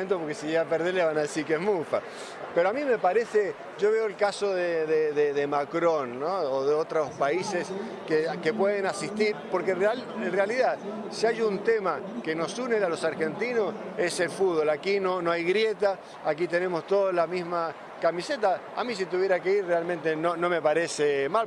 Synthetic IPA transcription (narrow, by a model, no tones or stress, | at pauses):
ent̪̬opoɾkesijaapeɾðeɾleβanaðesiɾkeezmufa | peɾoamĩme̞paɾe̞se | ʒoβe̞oelkaso̞ðeðeðeðemakɾo̞nːoːðeot̪ɾospaises | keke̞pweðenasist̪iɾpoɾkenralenrealiðað | siajunt̪emakeno̞sunealo̞saɾxe̞nt̪inose̞se̞lfud̪βo̞lakino̞noajɣɾje̞t̪aː | k̬it̪ene̞mo̞st̪o̞ðolamizma | kamiset̪a | a̰mĩs̬it̪uβje̞ɾakeiɾrealmẽnt̪enonome̞paɾesemal